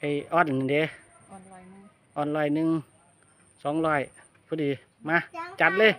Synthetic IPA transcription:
ʔa˧˩jʔɔː˧˥˨n˨˧˨de˨˦ | ʔɔː˧˩nlɔː˧˩jnɯ˧˨ŋ | sɔː˨˦ŋlɔː˧˩j | pʰuː˧˦diː˨ | maː˧˨t͡ɕa˧˦t̪̚lɤː˧˥˨j

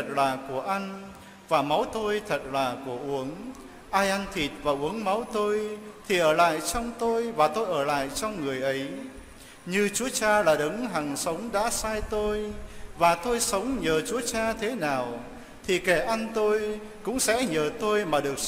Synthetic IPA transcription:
t̚laː˨˩ku˧˩əʔa˧ŋ̟ | vaː˨˩ma˨˦wt̪o˧jt̪ʰə˨˩t̚laː˨˩ku˧˩əʔu˨˦əŋ | ʔaː˧jʔa˧n̟t̪ʰi˨˩t̚vaː˨˩ʔu˨˦əŋma˨˦wt̪o˧jt̪ʰi˨˩ʔəː˧˩la̰ː˧˨jt͡ɕɔ˧wŋ͡mt̪o˧jvaː˨˩t̪o˧jʔəː˧˩la̰ː˧˨jt͡ɕɔ˧wŋ͡mŋɨ˨˩əjʔə˨˦j | ɲɨ˧t͡ɕu˨˦ət͡ɕaː˧laː˨˩ɗɨ˨˦ŋɦa˨˩ŋsə˨˦wŋ͡mɗa̰ː˧˥saː˧jt̪o˧jvaː˨˩t̪o˧jsə˨˦wŋ͡mɲəː˨˩t͡ɕu˨˦ət͡ɕaː˧t̪ʰe˨˦naː˨˩w | t̪ʰi˨˩kɛ˧˩ʔa˧nt̪o˧j | kʊ̰˧˥ŋ͡msɛ̰˧˥ɲəː˨˩t̪o˧jmaː˨˩ɗɨ˨˩ək̚

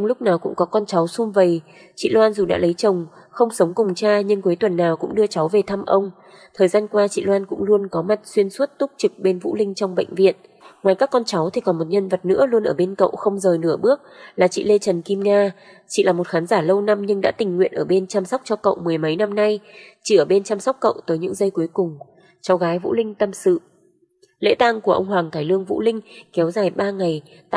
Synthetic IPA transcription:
ŋ͡mlʊ˦˥k͡p̚naː˨˩wkʊ̰˧˥ŋ͡mkɔ˨˦kɔ˧nt͡ɕa˨˦wsu˧mvə˨˩j | t͡ɕḭ˧˨lwaː˧nzu˨˩ɗa̰ː˧˥lə˨˦jt͡ɕə˨˩wŋ͡m | xə˧wŋ͡msə˨˦wŋ͡mkʊ˨˩ŋ͡mt͡ɕaː˧ɲɨ˧ŋku˨˦jt̪wə˨˩nːaː˨˩wkʊ̰˧˥ŋ͡mɗɨ˧ət͡ɕa˨˦wve˨˩t̪ʰa˧mʔə˧wŋ͡m | t̪ʰəː˨˩jzaː˧nkwaː˧t͡ɕḭ˧˨lwaː˧nkʊ̰˧˥ŋ͡mlu˧ənkɔ˨˦ma˨˩t̚swi˧ənsu˦˥t̚t̪ʊ˦˥k͡p̚t͡ɕɨ˨˩k̚ɓe˧nvṵ˧˥lï˧ŋ̟t͡ɕɔ˧wŋ͡mɓə̰˧˨jŋ̟vḭ˧˨ən | ŋwaː˨˩jkaː˦˥kːɔ˧nt͡ɕa˨˦wt̪ʰi˨˩kɔ˨˦mo˨˩t̚ɲə˧nvə˨˩t̚nɨ̰˧˥əlu˧ənʔəː˧˩ɓe˧nkə̰˧˨wxə˧wŋ͡mzəː˨˩jnɨ˧˩əɓɨ˦˥ək̚laː˨˩t͡ɕḭ˧˨le˧t͡ɕə˨˩nki˧mŋaː˧ | t͡ɕḭ˧˨laː˨˩mo˨˩t̚xaː˨˦nzaː˧˩lə˧wna˧mɲɨ˧ŋɗa̰ː˧˥t̪ï˨˩ŋ̟ŋwḭ˧˨ənʔəː˧˩ɓe˧nt͡ɕaː˧msa˦˥k͡p̚t͡ɕɔ˧kə̰˧˨wmɨ˨˩əjmə˨˦jna˧mna˧jt͡ɕḭ˧˩ʔəː˧˩ɓe˧nt͡ɕaː˧msa˦˥wk͡p̚kːə̰˧˨wt̪əː˨˦jɲɨ̰˧˥ŋzə˧jku˨˦əjkʊ˨˩ŋ͡m | t͡ɕɔ˨˦wɣaː˨˦jvṵ˧˥lï˧ŋ̟t̪ə˧msɨ̰˧˨ | lḛ˧˥t̪aː˧ŋku˧˩əʔə˧wŋ͡mɦwaː˨˩ŋt̪ʰaː˧˩jlɨ˧əŋvṵ˧˥lï˧ŋ̟kɛ˨˦wzaː˨˩jɓaː˧ŋa˨˩j̪

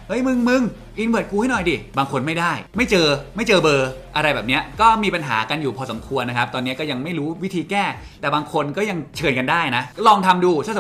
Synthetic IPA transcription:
hɤ˦˥jmɯ˧ŋmɯ˧ŋ | ʔi˧nbɯ˨˩ət̪̚kuː˧ha˥˩nɔ˨˩jdi˧˩baː˧ŋkʰo˧nma˥˩jdaː˥˩jma˥˩jt͡ɕɤː˧ma˥˩jt͡ɕɤː˧bɤː˧ʔa˧ɾa˧jbɛː˨˩ni˦˥ɐkɔː˥˩miː˧pa˧nɦa̰ː˩˦ka˧njuː˨˩pʰɔː˧so˩˦kʰu˧ənː˦˥kʰa˦˥p̚t̪ɔː˧nːi˦˥kɔː˥˩ja˧ŋma˥˩jɾuː˦˥wi˦˥t̪ʰiː˧kɛː˥˩ | t̪ɛː˨˩baː˧ŋkʰo˧nkɔ˥˩ja˧ŋt͡ɕʰɤː˧nka˧ndaː˥˩jna˦˥klɔː˧ŋt̪ʰa˧mduː˧˩sʰa˧˥˩

